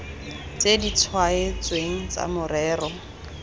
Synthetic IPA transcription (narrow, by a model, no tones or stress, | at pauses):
t͡sʼedit͡sʰwaet͡sʼweŋ̩t͡sa̰mʊrɛːrɔ